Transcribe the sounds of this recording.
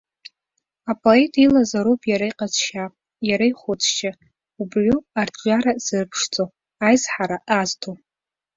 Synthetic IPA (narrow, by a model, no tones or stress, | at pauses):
apʼo̞etʼilazaɾopʼjaɾajqʼazʃapʼ | jaɾaiχʷʊt͡sʰʼt͡ʃʼa | ubrʷʊard͡ʒʷʼaɾaz̥ɨrpʰʂt͡sʼo | ajzħaɾaʔaztʰo